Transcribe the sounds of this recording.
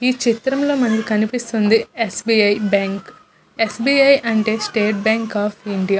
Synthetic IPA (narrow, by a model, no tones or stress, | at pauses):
iːt͡ʃit̪ɾɐmlo̞ːmɐnɐkukɐnipist̪und̪iesbiːɐjbaːŋk | esbiːɐjʔɐɳʈe̞ːsʈeːʈ̚baːŋkaːpʰiɳɖija